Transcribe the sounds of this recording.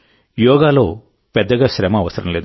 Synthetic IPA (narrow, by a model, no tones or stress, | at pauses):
jɔːɡaːlo̞̰ː | pɛd̪ːɐɡaːʃɾɛːmɐːʋɐsɐɾɐmle̞ːd̪u